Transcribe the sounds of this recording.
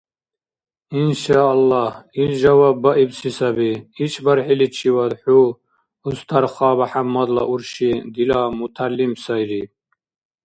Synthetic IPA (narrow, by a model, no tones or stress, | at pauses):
inʃaːlːɑhilʒawabːaʔibsisabiit͡ʃʰbaɾħilit͡ʃʰiwad̪ħu | ust̪ʰaɾχɑːbaħamːɔd̪la̰ʔuɾʃid̪ilamut̪ʰalːimsajɾi